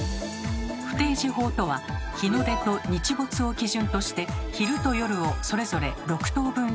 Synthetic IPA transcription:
ɸɯ̟̥t̪e̞ːʑiɦo̞ːt̪o̞βaçinod̪e̞t̪o̞ɲ̟it͡ɕibo̞t͡sɨo̞kʲiʑɨ̃nt̪o̞ɕi̥t̪e̞çiɾɯ̟t̪o̞jo̞ɾɯ̟oso̞ɾe̞zo̞ɾe̞ɾo̞kɯ̥t̪o̞ːbɯ̟̃ñ

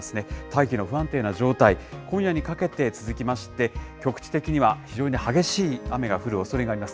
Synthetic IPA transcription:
esɨne̞t̪aikʲino̞ɸɯ̟ãnt̪e̞ːnaʑo̞ːt̪aikʰõ̞ɰ̃jaɲ̟ikake̞t̪e̞t͡sɨzɨkʲimaɕi̥t̪e̞kʲo̞kɯ̟̥t͡ɕi̥t̪e̞kʲiɲ̟iβaçiʑo̞ːɲ̟ihaɡe̞ɕiːame̞ɡaɸɯ̟ɾɯ̟o̞so̞ɾe̞ɡaːɾʲimasɨ̥

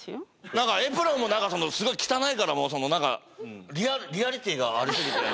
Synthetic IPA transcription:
nãŋkaepɯ̟ɾomo̞nãŋkaso̞no̞sɨɡo̞ikʲi̥t̪anaikaɾamo̞so̞no̞nãŋka̰ | ɾʲiaɾʲiaɾʲit̪ʲiːɡaːɾɯ̟ɕiɡʲit̪e

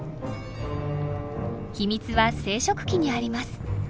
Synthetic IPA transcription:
çimʲit͡sɨβase̞ːɕo̞kɯ̟̥kʲiɲ̟iaɾʲimasɨ̥

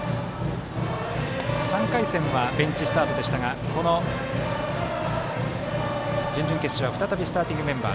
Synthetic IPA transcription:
sãŋkaisẽ̞ɰ̃βabẽ̞ɲt͡ɕisɨ̥t̪aːt̪o̞d̪e̞ɕi̥t̪aɡako̞no̞ | d͡ʑɨ̃ɲ̟d͡ʑɨ̃ŋke̞sɨ̥ɕiβaɸɯ̟t̪at̪abʲisɨ̥t̪aːt̪ʲĩŋɡɯ̟mẽ̞mba̰ː

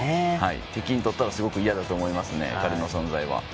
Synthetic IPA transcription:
ehaḭt̪e̞kʲiɲ̟it̪o̞t̪ːaɾasɨɡo̞kɯ̟ijad̪at̪o̞ːmo̞imasɨne̞̰kaɾɯno̞sõ̞nzaiβa̰

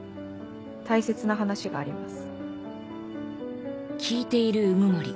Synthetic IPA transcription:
t̪aise̞t͡sɨnaɦanaɕiɡa̰ːɾʲimasɨ̥ | kʲʰiːt̪e̞iɾɯ̟ɯmɯ̟maɾʲḭ

